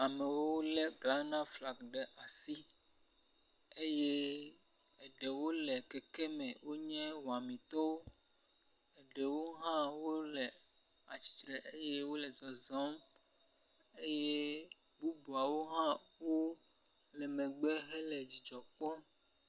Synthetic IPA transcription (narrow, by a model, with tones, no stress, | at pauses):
a˨mɛ˨wo˦wo˦lɛ˦ɡla˨˦nã˦fla˨ɡɖɛ˨ʔa˨si˦ | e˦je˦ | ɛ˨ɖɛ˨wo˦lɛ˨kɛ˨kɛ˦mɛ̃˨wo˦ɲɛ̃˦wɔ˨a˨mĩ˨t̪ɔ˦wo˦ | ɛ˨ɖɛ˨wo˦ɦã˦wo˦lɛ˨ | a˨t͡ɕi̥˨t̪ɾɛ˨ʔe˦jɛ˦wo˦lɛ˨zɔ˨zɔ̃˦m | e˦je˦ | bu˦bu˨a˨wo˦ɦã˦wo˦ | lɛ˨mɛ̃˨ɡ͡bɛ˦ɦɛ˦lɛ˨d͡ʑi˨d͡ʒɔ˨k͡pɔ˦